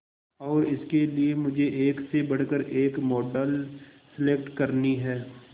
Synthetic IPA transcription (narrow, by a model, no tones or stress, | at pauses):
ɔːɾɪskeliemʊd͡ʒʱeʔeːksebɐɽ̤kəɾeːkmɔːɖəlsɪlek̚ʈkɐɾniɦɛː